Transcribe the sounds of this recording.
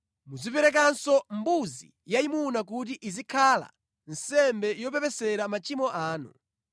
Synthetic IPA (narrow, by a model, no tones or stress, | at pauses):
muzipɛɾɛk̬ansɔmbuzḭ | jaimunak̬ut̬iʔizikʰala̰ | n̩sɛmbɛjɔp̬ɛpɛsɛɾamat͡ʃimɔʔaːnṵ